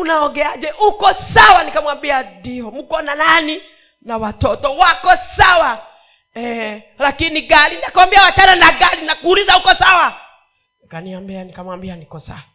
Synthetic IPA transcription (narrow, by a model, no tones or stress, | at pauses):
unaɔɡɛaʄɛʔukɔsawanikamwambiadiɔm̩kɔnanani | nawatɔtɔwakɔsawa | ɛ | lakiniɡaɾiniakawambiawat͡ʃananaɡaɾinakuːlizaukɔsawa | kaniambianikamwambianikɔsa̰wa